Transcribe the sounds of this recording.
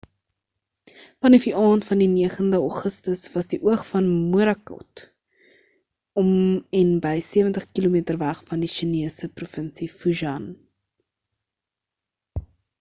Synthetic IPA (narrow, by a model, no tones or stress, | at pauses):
fɐnifiʔɑːntfɐndiniəχəndəɑχəstəsvɐsdiʔuəχfɐnmuəɾɐkɔ̰t | ɔmɛnbəjsiəvəntəχkilumiətərvæχfɐndiʃiniəsəprofənsifuʒɐn